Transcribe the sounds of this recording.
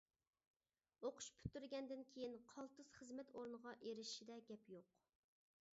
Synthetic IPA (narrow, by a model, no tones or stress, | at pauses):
oqʰʊ̥ʃpʰy̥t̪ːyɾɡʲɛnd̪ɪnkʲʰejinqʰɑlˠt̪ɨz̥χəzmɛt̪ʰoɾnəʁɑʔeɾɪʃi̥ʃid̪ɛɡʲɛpjoq